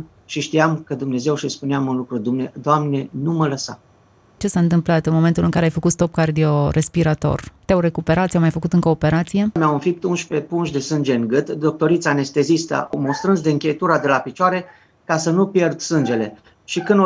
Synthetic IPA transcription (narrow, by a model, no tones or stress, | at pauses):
ʃiʃt̪iamkəd̪umne̞ze̞wʃispuneamunlukɾud̪umned̪oamne̞numələsa̰ | t͡ʃe̞saɨnt̪̬ɨmplat̪ɨnmo̞me̞nt̪ulɨŋkaɾeajfəkut̪st̪o̞p̚kard̪io̞rʔe̞spiɾat̪o̞̰rt̪eawre̞kupe̞ɾat̪sjamajfəkut̪ɨŋkəːpe̞ɾat̪sije̞meawɨmfip̚t̪unʃpe̞punʃd̪e̞sɨnd͡ʒe̞ɨŋɡɨt̪d̪o̞k̚t̪o̞ɾit̪sane̞st̪e̞zist̪a̰awmost̪ɾɨnsd̪eɨŋkʲet̪uɾad̪e̞lapit͡ʃoaɾe̞ | kasənupje̞rd̪sɨnd͡ʒe̞le̞ | ʃikɨn